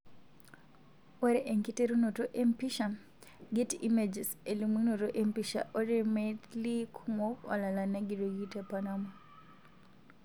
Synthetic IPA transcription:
waɾeʔeŋkiteɾunotoʔempiʃa | ɡetḭmed͡ʒeselumwinotoʔempiʃa̰ʔoɾemetlikʰumɔkɔ̰lalanaɡiɾoɡitepanamɔ

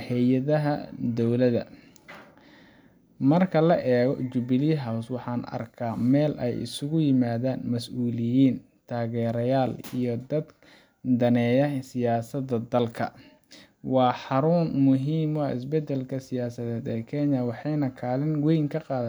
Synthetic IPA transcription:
hɛjɐðɐɦɐ̰d̪ɔwlɐðɐ̰ | mɐrkʰɐlɐʔɛːɣɔ̰t͡ʃʊbɪliɦawswɑħɑːnɐ̰rkʰaːmɛːlʔɛ̰jʔɪ̰sʊɣʊjɪmaːðaːnmɐsʔuːlɪjiːn | t̪ʰaːɣɛːɾɐjaːlḭjɔd̪ɐd̪ | d̪ɐnɛːjɐsɪjaːsɐd̪ɐd̪ɐlkʰɐ̰ | wɑːħɑɾʊnmʊɦiːmɔɪ̰s̬bɛd̪ɛlkʰɐsɪjaːsɐðɛːd̪ɛːkʰɛɲɐwɑħɑjnɐkʰaːlɪnwɛjŋkʰɐqɑːð

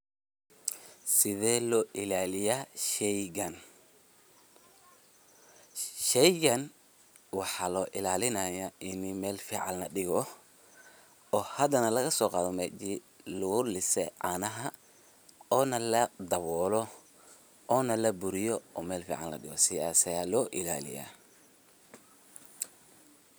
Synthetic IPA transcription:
sɪðɛːlɔːʔɪlaːlɪjaːʃɛjɣɐn | ʃɛjɣɐn | wɑħɑːlɔːʔɪlaːlɪnɐjaːʔɪnɪmɛːlfiːʕɑ̰llɐɖɪɣɔ | ɔːhɐd̪ɐnɐlɐɣɐsɔːqɑːðɔmɛt͡ʃi | lʊɣʊlɪsɛ̰ʕɑ̰ːnɐɦɐ | ɔːnɐlɐd̪ɐβɔːlɔ | ɔːnɐlɐbʊɾɪjɔɔːmɛːlfḭːʕɑ̰nlɐ̰ɗɪɣɔsɪaːsɐjalɔːʔɪla̰ːlɪ̰ja̰ː

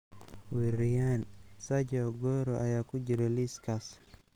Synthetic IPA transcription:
wiɾijansad͡ʒaɡɔɾɔʔajaːkud͡ʒiɾeliskas

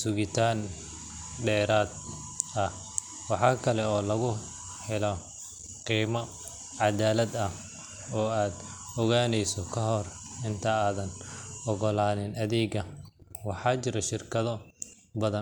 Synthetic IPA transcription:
sʊɣɪt̪ʰaːn | ɖɛːɾaːd̪̚ | ɐh | wɑħɑːkʰɐlɛɔːlɐɣʊ | ħɪlɔ | qiːmɐ | ʕɑd̪aːlɐd̪ɐh | ɔːaːd̪ | ɔɣaːnɛjsɔkʰɐɦɔrɪnt̪ʰaaːðɐnɔɣɔlaːnɪnʔɐðɛːɡɐwɑħɑːt͡ʃɪɾɐʃɪrkʰɐðɔ | bɐðɐn

